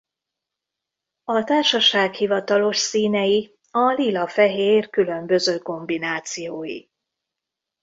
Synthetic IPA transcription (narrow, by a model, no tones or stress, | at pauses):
ɒt̪aːrʃɒʃaːkhivɒt̪ɒlo̞ʃsiːnɛji | ɒlilɒfɛɦeːrkylø̞mbø̞zøːko̞mbinaːt̪sijoːjḭ